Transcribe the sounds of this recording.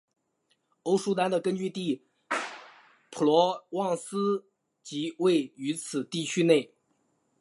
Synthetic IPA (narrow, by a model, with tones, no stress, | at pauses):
o˥ʊʂu˥t̪a˥nd̪ə˨kə˥nt͡ɕy˥˧t̪i˥˩ | pʰu˨˩lwɔ˧˥wɑ˥˩ŋsɹ̩˥ | t͡ɕi˧˥we˥˩ɪy˧˥t͡sʰɹ̩˨˩t̪i˥˩t͡ɕʰy˥ne˥˩ɪ